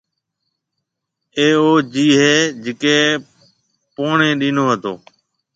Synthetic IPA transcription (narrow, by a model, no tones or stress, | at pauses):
eːoːd͡ʒiːɦeːd͡ʒɪkeː | poːɳẽːɗiːnoːɦət̪o̰ː